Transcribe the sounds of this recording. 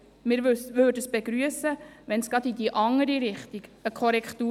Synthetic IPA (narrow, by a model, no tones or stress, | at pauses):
mɪɾʋødəsb̥eɡɾyəsəʋɛnsɡ̥ɑd̪id̪iʔɑŋəɾiɾɪχt̪iɡəkʰɔɾɛkt̪uː